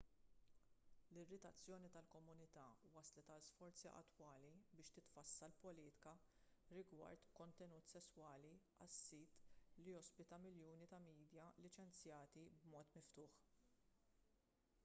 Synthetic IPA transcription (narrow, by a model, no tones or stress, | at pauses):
lɪrːɪt̪ɐt͡sːjɔːnit̪ɐlkɔmʊnɪt̪ɐːwɐslɛt̪ɐlsfɔɾt͡siʔɐ̰t̪ːwɐːlibɪːʃt̪ɪt̪fɐsːɐlpɔliːt̪ɪ̥kɐɾɪɡwɐ̰ɾt̪kɔnt̪ɛnuːt̪sɛsːwɐːli | ɐsːiːt̪lijɔspɪt̪ɐmɪljuːnit̪ɐmiːd̪jɐlɪt͡ʃɛnt͡sjɐːt̪ibmɔːt̪mɪft̪ʊːħ